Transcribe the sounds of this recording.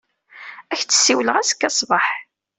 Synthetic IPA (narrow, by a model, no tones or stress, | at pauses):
æçt͡sːə̥sːiwləʁæsə̥kːæsˤbɑħ